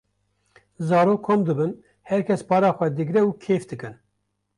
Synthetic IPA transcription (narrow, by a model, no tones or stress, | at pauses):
zɑːɾoːkkʰːomd̪ɨbɨn | hɛɾkʰʲɛspɑːɾɑːxʷɛd̪ɨɡɾɛuːkʰeːfd̪ɨkɨn